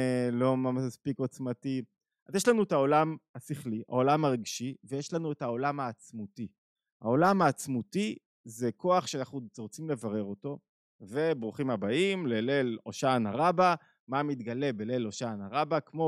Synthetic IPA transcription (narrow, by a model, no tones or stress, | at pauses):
lo̞mamaspikot͡smati | azjeʃlanuetao̞lamasiχlia̰o̞lamaʁiɡʃivejeʃlanuetao̞lamaːt͡smuti | ha̰o̞lamaːt͡smuti | zekʰo̞aχʃeanaχnuʁot͡simle̞vaʁe̞ʁo̞to̞ | ve̞bʁuχimabaimlele̞loʃanaʁaba | mamitɡale̞bele̞loʃanaʁabakmo̞